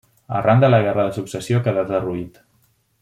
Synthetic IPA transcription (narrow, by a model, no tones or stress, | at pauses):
ə̰rand̪ələɣɛrəðəsuksəsiokeðat̪əruit̪